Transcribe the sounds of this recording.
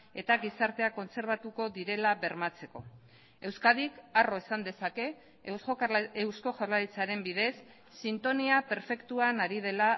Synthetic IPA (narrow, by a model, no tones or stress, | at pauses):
e̞t̪aɡisaɾt̪e̞ako̞nt͡se̞ɾβ̞at̪uko̞ðiɾe̞laβe̞ɾmat͡se̞ko̞̰ | e̞wskaðikaro̞esand̪e̞sake̞ | soewsko̞ʝawɾlaɾit͡saɾe̞mbið̞e̞sː | int̪o̞niape̞ɾfe̞kt̪uanaɾiðe̞la